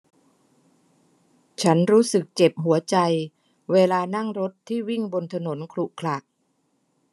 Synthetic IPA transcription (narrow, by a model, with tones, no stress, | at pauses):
t͡ɕʰa˦˥nɾuː˦˥sɯ˨˩k̚t͡ɕe˨˩p̚ɦu˩˦ɐt͡ɕa˧j | weː˧laː˧na˥˩ŋɾo˦˥t̪ʰːiː˥˩wi˥˩ŋbo˧nt̪ʰa˧no˩˦nkʰlu˨˩ʔkʰla˨˩k̚